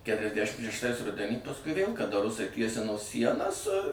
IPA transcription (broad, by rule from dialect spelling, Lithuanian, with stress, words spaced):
ˈkʲæːtʲrʲɛzʲdʲæʃʲɪm ʃʲɛʃˈtɐɪs ˈrʊdʲɛnʲiː pɐsˈkʊɪ ʋʲeːlˠ kɐˈdɐ ˈrʊsɐɪ ˈtʲiɛsʲɪnoː ˈsʲiɛnɐs